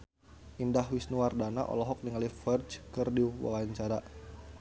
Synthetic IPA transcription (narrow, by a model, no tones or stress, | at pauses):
ʔindahwisnuwardana̰ʔɔ̰lɔɦɔk̚niŋalifɛrt͡ʃkərdiwa̰waɲt͡ʃaɾa